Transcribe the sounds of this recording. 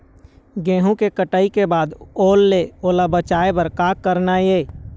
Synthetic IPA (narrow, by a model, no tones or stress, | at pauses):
ɡẽːɦũkekəʈaːikebaːd̪oːlːeoːlabət͡ʃaːebəɾkaːkːəɾnajeː